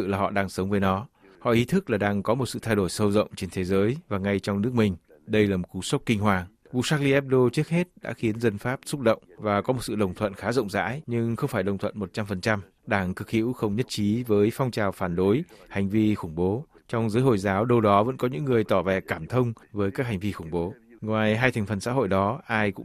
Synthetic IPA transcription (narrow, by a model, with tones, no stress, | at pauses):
ɨ̰˧˨laː˨˩ɦɔ̰˧˨ɗaː˧ŋsə˨˦ŋ͡mvəː˨˦jnɔ˨˦ | hɔ̰˧˨ʔi˨˦t̪ʰɨ˦˥k̚laː˨˩ɗaː˧ŋkɔ˨˦mo˨˩t̚sɨ̰˧˨t̪ʰa˧jɗo˧˩jsə˧wzə̰˧˨wŋ͡mt͡ɕe˧nt̪ʰe˨˦zəː˨˦jvaː˨˩ŋa˧jt͡ɕɔ˧wŋ͡mnɨ˦˥ək̚mï˨˩ŋ̟ | ɗə˧jlaː˨˩mo˨˩t̚ku˨˦sə˦˥wk͡p̚kï˧ŋ̟hwaː˨˩ŋ | vṵ˧˨saː˦˥k̚li˧ʔɛ˦˥p̚ɗo˧t͡ɕɨ˦˥ək̚he˦˥t̚ɗa̰ː˧˥xi˨˦ənzə˧nfaː˦˥p̚sʊ˦˥t̚ɗə̰˧˨wŋ͡mvaː˨˩kɔ˨˦mo˨˩t̚sɨ̰˧˨ɗə˨˩wŋ͡mt̪ʰwə̰˧˨nxaː˨˦zə̰˧˨wŋ͡mza̰ː˧˥jɲɨ˧ŋxə˧wŋ͡mfaː˧˩jɗə˨˩wŋ͡mt̪ʰə̰˧˨nmo˨˩t̚t͡ɕa˧mfə˨˩nt͡ɕa˧m | ɗaː˧˩ŋkɨ˨˩k̚hḭ˧˥wxə˧wŋ͡mɲə˦˥t̚t͡ɕi˨˦vəː˨˦jfɔ˧wŋ͡mt͡ɕaː˨˩wfaː˧˩nɗo˨˦jha˨˩jŋ̟vi˧xʊ˧˩ŋ͡mɓo˨˦ | t͡ɕɔ˧wŋ͡mzəː˨˦jɦo̰˧˨jzaː˨˦wɗə˧wɗɔ˨˦və̰˧˥nkɔ˨˦ɲɨ̰˧˥ŋːɨ˨˩əjt̪ɔ˧˩vɛ˨˩kaː˧˩mt̪ʰə˧wŋ͡mvəː˨˦jkaː˦˥k̚ha˨˩jŋ̟vi˧xʊ˧˩ŋ͡mɓo˨˦ŋwaː˨˩jɦaː˧jt̪ʰa˨˩ŋ̟fə˨˩nsa̰˧˥ɦo̰˧˨jɗɔ˨˦ʔaː˧jkʊ̰˧˥